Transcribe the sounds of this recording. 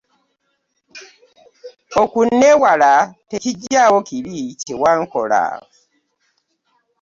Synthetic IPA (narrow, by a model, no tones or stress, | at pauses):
okunːewalateciɟawokiβicewaŋko̰la̰o